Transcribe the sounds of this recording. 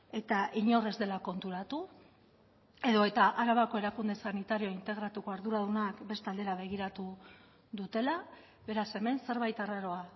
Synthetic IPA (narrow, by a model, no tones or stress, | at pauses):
e̞t̪aʔiɲo̞re̞zd̪e̞lako̞nt̪uɾat̪u | e̞ðo̞e̞t̪aʔaɾaβako̞e̞ɾakund̪e̞sanit̪aɾio̞int̪e̞ɣ̞ɾat̪uko̞aɾðuɾaðunakbe̞st̪ald̪e̞ɾaβe̞ɣ̞iɾat̪u | ðut̪e̞la | βe̞ɾase̞me̞nse̞ɾβajt̪araɾo̞a